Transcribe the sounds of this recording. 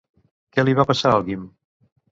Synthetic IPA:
kɛliβapəsaalˠɣim

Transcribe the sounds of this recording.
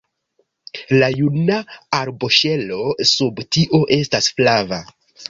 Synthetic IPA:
lajunaaɾbo̞ʃe̞lo̞subtiʔo̞ʔe̞stasflava

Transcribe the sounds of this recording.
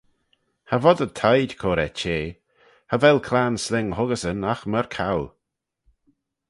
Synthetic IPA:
havɔd̪ət̪ʰajdkʰoːɾɛt͡ʃeː | havɛlkʰlaːnslɪŋhʊɡəsənaxməɹkʰaw

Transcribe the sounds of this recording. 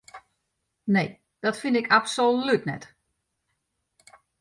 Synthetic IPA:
ne | d̥ɔtfɪndɪkʰapsolytnɛ̰t

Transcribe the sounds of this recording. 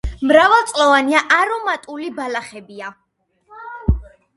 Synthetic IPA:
mɾavɛlˠt̪sʼlɔvaniaʔaɾɔmat̪ʼulibalaχɛbia

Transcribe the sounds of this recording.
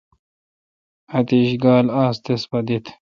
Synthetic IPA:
ɐt̪iɕɡaːlaːst̪espɐd̪it̪ʰ

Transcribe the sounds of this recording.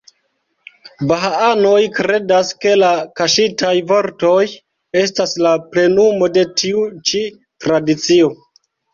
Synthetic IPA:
baɦaano̞jkɾe̞daske̞lakaʃitajvo̞ɾto̞j | e̞s̬taslaple̞numo̞de̞tʰiut͡ʃi | tɾadit͡sio̞

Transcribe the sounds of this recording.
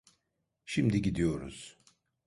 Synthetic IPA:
ʃimd̪iɟid̪ijo̞ɾṵz̥

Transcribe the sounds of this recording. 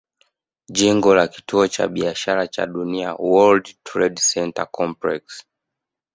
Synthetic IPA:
ʄiŋɡɔlaki̥tuɔt͡ʃa̰ɓiaʃaɾat͡ʃa̰ɗunia̰wɔldtʰɹɛdsɛnta̰kɔmpɹɛks

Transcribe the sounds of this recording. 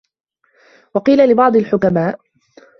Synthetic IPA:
wɑqiːlalɪbɑʕd̪ˤɪlħʊkamaːʔ

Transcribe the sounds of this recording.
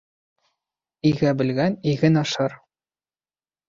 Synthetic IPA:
iɣæbɘ̆lɡæniɣɘnɑ̆ʃɤɾ

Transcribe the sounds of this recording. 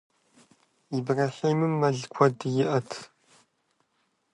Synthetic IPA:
ibraːħiːmɨmːɐɮkʷʰɔdjɪʔɐtʰ

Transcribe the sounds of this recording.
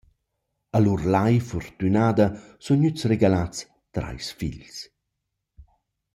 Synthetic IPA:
alurlajfɔrt̪ynaːd̪asunɲyt͡sreɡalat͡s | t̪ɾa̰jsfḭʎs

